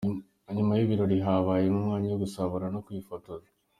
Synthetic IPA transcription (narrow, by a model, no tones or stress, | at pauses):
ɲumajiβiɾo̞ɾiɦaβaːjemumŋaːɲijoɡusaβoɾanokwiːfotoze